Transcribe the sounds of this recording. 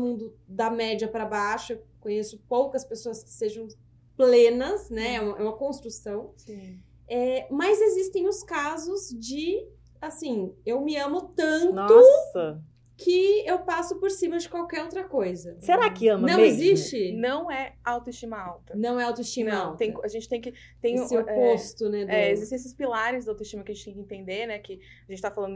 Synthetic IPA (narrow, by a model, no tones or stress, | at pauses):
mũnd̪ʊ | d̪ɐmɛd͡ʒiɐpɾɐbaʃʊewkõɲesʊpowkɐspesoɐskɪ̥seʒɐ̃w̃ | plẽnɐsnɛɛũmɛ̰ũmɐkõst̪ɾusɐ̃w̃sĩ | ɛmɐzezist̪ẽj̃ʊskazʊzd͡ʒɪ | asĩewmɪɐ̃mʊt̪ɐ̃nt̪ʊɐ | kʰɪewpasʊpoɾsĩmɐd͡ʒɪkwawkɛɾowt̪ɾɐkojzɐseɾakɪɐ̃mnɐɐ̃w̃ezist͡ʃɪnɐ̃w̃ɛawt̪oist͡ʃĩmɐawt̪ɐnɐ̃w̃ɛawt̪oist͡ʃĩmɐaw̪ẽj̃kaʒẽnt͡ʃɪ̥t̪ẽj̃kɪ | t̪ẽj̃sɪopost̪ʊnɛd̪ɛezist̪ẽesɪspilaɾɪzd̪awt̪oiʃt͡ʃĩmɐkɐʒẽt͡ʃt̪ẽj̃kɪĩnt̪ẽnd̪eɾnɛkɪ | aʒẽt͡ʃɪt̪afalɐ̃nʊ